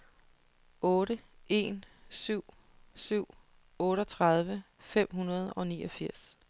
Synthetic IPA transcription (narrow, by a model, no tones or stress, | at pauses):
ɔ̽ːɾəe̝nsyʊ̰ | syʊ̰ | ɔ̽ːɾɒt͡sʰʁað̞ˠʋə | fem̰ɦunɐð̞ˠɒ̽nḭːɒ̽fiɐ̰s